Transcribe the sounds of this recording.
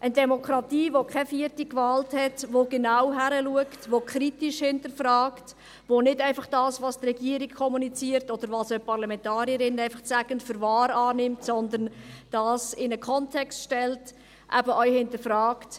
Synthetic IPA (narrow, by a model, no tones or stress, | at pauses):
ʔəndɛmokʰɾɑtiːvokʰɛfiətikvɑːlthɛtvoɡ̥enaʊɦæɾəluəktʋokʰɾitiʃhɪntəɾfɾɑːkt | ʋonɪdɛɪfɑχd̥ɑːsʋɑːstrɛɡiːəɾikkʰːɔmunit͡siːəɾtɔd̥əɾvɑsœʏpʰɑɾlɑmɛntɑːɾiəɾɪnæɪfɑχt͡sæɡəntfʏɾvɑːɾɑːnɪmtsɔnd̪ənd̥ɑːsɪnəkʰɔntʰɛkstʃtɛlt | ʔæ̰bəʔœʏhɪntəfɾɑːkt